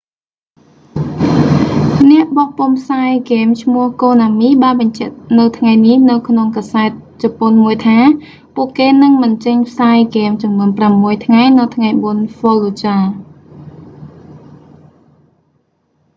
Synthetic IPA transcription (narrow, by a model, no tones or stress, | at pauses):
nɛ̆əʔɓɑːhp̆əmpʰsaːjkeːmt͡ɕʰmʊəhkoːnaːmiːɓaːnɓɑɲt͡ɕɛ̆əʔnɨwt̪ʰŋajnihnɨwkʰnoŋkaːsaɛt̪̚t͡ɕɔponmuəjt̪ʰaː | puəʔkeːnɨŋmɨnt͡ɕəɲpʰsaːjkeːmt͡ɕɑmnuənpramːuəjt̪ʰŋajnɨwt̪ʰŋajɓoənfoːloːt͡ɕaː